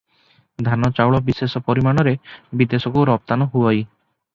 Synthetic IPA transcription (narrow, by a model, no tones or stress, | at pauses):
d̪ʱanɔt͡ʃawɭɔbisesɔpɔɾimaɽ̃ɔɾebid̪esɔkuɾɔp̚t̪anɔɦuɔj